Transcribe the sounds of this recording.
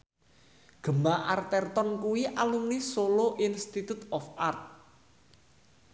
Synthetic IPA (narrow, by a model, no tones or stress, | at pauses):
ɡ̥ə̤maʔart̪ɛrt̪ɔnkuwiʔalunisoloʔinst̪it̪ut̪ɔfart̪̚